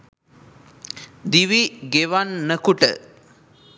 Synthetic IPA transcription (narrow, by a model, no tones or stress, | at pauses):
d̪iʋiɡeʋanːəkuʈə̰